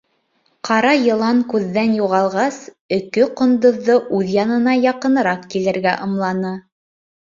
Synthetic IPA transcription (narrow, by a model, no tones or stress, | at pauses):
qʰɑɾɑjɤ̆lˠɑŋkʉðːænjuʁɑlˠʁɑs | ɵ̆kɵqŏnd̪ŏðːɤʔʉðjɑnɤ̆nɑjɑqɤ̆nɤ̆ɾɑqkilɘ̆ɾɡæʔɤ̆mlˠɑnɤ